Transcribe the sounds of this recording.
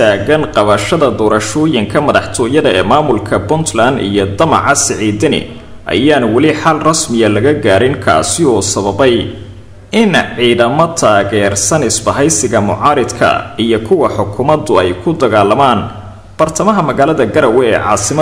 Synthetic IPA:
t̪ʰaːɣɐnqɑβɐʃɐðɐd̪ɔːɾɐʃɔːjɪŋkʰɐmɐðɑħt̪ʰɔːjɐðɐɛːmaːmʊlkʰɐbʊnt̪ʰlanḭjɔd̪ɐmɐ̰ʕɑsɪʕiːd̪ɪnɪ̰ | ʔɐ̰jaːnwɑlɪħɐlrɐsmɪɐlɐɣɐɡaːɾɪŋkʰa̰ːsɪɔːsɐβɐβɛj | ɪnʕiːðɐmɔt̪ʰaːɣɛːrsɐnɪsbɐɦɛjsɪɣɐmʊ̰ʕɑːɾɪd̪kʰɐ̰ijɔkʰʊwɐħʊkʰʊmɐd̪ʊɛjkʰʊd̪ɐɣaːlɐmaːn | b̥ɐrt̪ʰɐmɐɦɐmɐɣaːlɐðɐɡɐɾɐwɛɛːʕɑ̰ːsɪmɐ

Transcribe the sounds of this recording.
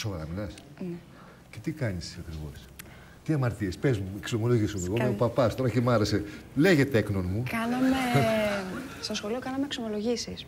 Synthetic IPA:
soɐɾɐmilɐs | ne | ce̞t̪ikɐɲisɐkɾivo̞s | t̪iɐmɐɾt̪iespezmueksilomolo̞ʝisomeɣomeopɐpɐst̪oɾɐçimɐɾese̞le̞ʝet̪ekno̞nmukɐnɐme | sɐsxo̞liokɐnɐmekso̞mo̞loʝisis

